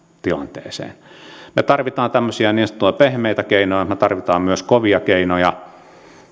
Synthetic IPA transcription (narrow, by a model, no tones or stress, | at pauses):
t̪ilɑ̰nt̪ḛːsḛːnmet̪ɑrʋit̪ɑːnt̪æmːøsiæniːnst̪ːuepehmeˑit̪ækeˑinojɑmet̪ɑrʋit̪ɑːmmyøskoʋiɑkeinojɑ